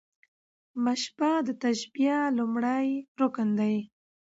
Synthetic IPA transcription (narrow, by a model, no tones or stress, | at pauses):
maʃbad̪ət̪aʃbijalumɽajɾokənd̪aj